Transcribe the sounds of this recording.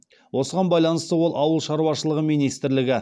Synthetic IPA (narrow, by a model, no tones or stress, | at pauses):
wʔo̞səʁɑnbɑjlˠɑnəst̪əwo̞lˠɑwəlˠʃɑɾuwɑʃəlˠəʁəmijnijst̪ɪɾlɪɡʲɪ